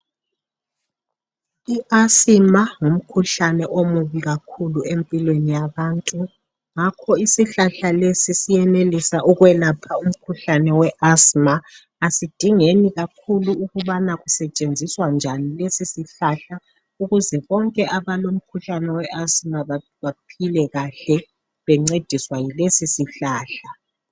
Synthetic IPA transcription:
iʔasimaŋum̩kʰuɬanɛʔomuβiɣakʰuluempʼilwenijaβaːntʼu | ŋakʰɔisiɬaɬalesisijɛnelisaʔuɣwɛlapʰaum̩kʰuɬanɛwɛʔasma | asid̥ʱiŋeniɣakʰuluuɣuβanaɣusɛt͡ʃʼend͡zʱiswand͡ʒʱanilesisiɬaɬa | uɣuzɛβɔŋkʼɛʔaβalom̩kʰuɬanɛwɛʔasmaβa | βapʰilɛɣaɬɛ | βɛŋ͡ǀed̥ʱiswajilesisiɬaːɬa

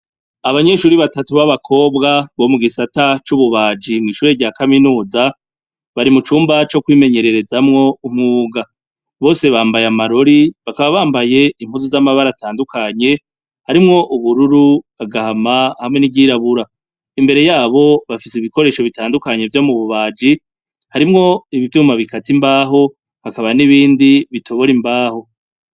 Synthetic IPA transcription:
aβaɲe̞ʃuːɾiβatatuβaβakʰo̞ːbɡaβo̞muɡisatat͡ʃuβuβaːd͡ʒimŋiːʃuːɾe̞ɾɟaːkaminuːza | βaɾimut͡ʃuːmbat͡ʃo̞kwiːme̞ɲe̞ɾe̞ɾe̞zamŋo̞um̥ŋuːɡa | βo̞ːse̞βaːmbajamaɾo̞ɾiβakaβaβaːmbaje̞imhuzuzamaβaɾataːndukʰaɲe̞ | haɾimŋo̞ʔuβuɾuɾuaɡahamahamŋe̞niɟiɾaβuɾa | imbe̞ɾe̞jaːβo̞βafisiβiko̞ɾe̞ːʃo̞βitaːndukaɲe̞vjo̞muβuβaːd͡ʒi | haɾimŋo̞iβivjuːmaβikʰatimbaːɦo̞ | hakaβaniβiːndiβitʰo̞βo̞ɾimbaːho̞

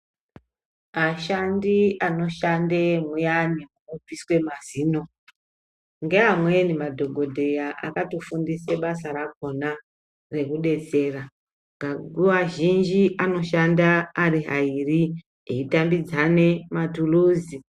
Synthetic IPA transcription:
aʃandiano̞ʃandemujanimuub͡viswe̞maziːno̞ | ŋɡe̞ɦamwe̞nimadʱo̞ɡʱo̞dʱe̞jaʔa̰katufundiseɓasarako̞na | re̞kuɗe̞t͡se̞ːra | ɡ̥ʱaɡʱuaʒind͡ʒiʔano̞ʃandaːriɦairi | ḛitambid͡zane̞matuluːzi

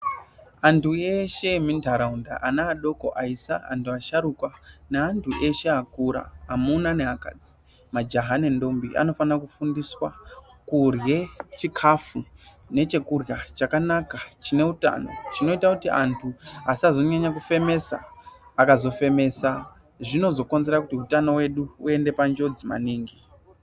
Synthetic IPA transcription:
antʰueʃe̞mindʱaɾaunda̰ʔanaːɗo̞ko̞̰ʔaisaa̰ntʰuaʃaɾukwaneantʰuʔe̞ʃe̞akuɾa̰ːmunaneaka̰d͡zi̥ | mad͡ʒaɦanendo̞mbiʔa̰no̞fanrakufundiswa | kurje̞t͡ʃikʰafu | ne̞t͡ʃe̞kurjat͡ʃakanakat͡ʃine̞uta̰no̞̰t͡ʃino̞itakutiʔa̰ntʰuasiazonɲaɲakufe̞me̞sa̰ːkazo̞fe̞me̞sa | ʐino̞zo̞ko̞nze̞ɾakutiutano̞we̞ɗuue̞nde̞pand͡ʒo̞d͡zima̰niːŋɡi

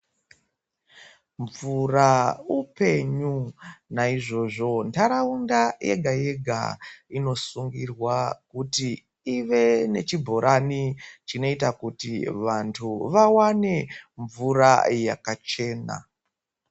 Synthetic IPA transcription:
ɱvuraupe̞ɲunaiʐo̞ʐo̞ntaɾaundaje̞̰ɡʱaje̞ɡʱa̰ino̞suŋɡirwakuti | iʋe̞ne̞t͡ʃibʱo̞ɾʔanit͡ʃino̞itakutiʋantʰuʋawane̞ɱvuraja̰kat͡ʃe̞ːna̰

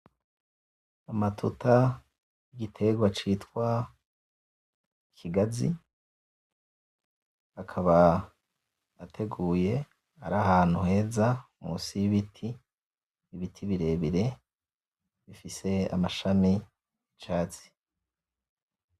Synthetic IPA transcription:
amatʰuta | jiɡitʰe̞ɡwat͡ʃiːtkwa | ikʰiɡazḭ | akʰaβa | tʰe̞ɡuːje̞ | aɾahaːn̥huhe̞ːza | mṵsijiβitʰiː | βitʰiβiɾe̞ːβiɾe̞ | βifise̞a̰maʃani | jit͡ʃaːt͡si̥

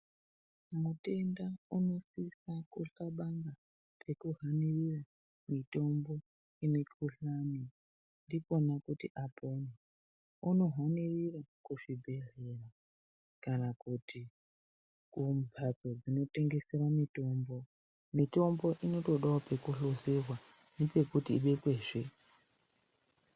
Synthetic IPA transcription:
mute̞ndauno̞sisakuɬaɓaŋɡa | pʰe̞kuɦanirira | mito̞mbo̞ | inekʰuɬani | ndiko̞nakutiʔapʰoni | uno̞ɦwanirirakuʐibʱe̞rera | kanakutʰi | kumbʱat͡so̞d͡zino̞te̞ŋɡe̞seɾamito̞ːmbo̞ | mito̞mbo̞ʔino̞to̞ɗaope̞kuɬozerwa | ne̞pe̞kutḭːɓe̞kweːʐe

